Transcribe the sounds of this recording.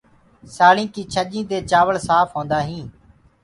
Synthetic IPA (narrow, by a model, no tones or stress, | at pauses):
saːɭĩːkiːt͡ʃʰəʄĩːd̪eːt͡ʃaːʋəɭsaːfɦõːnd̪aːɦĩː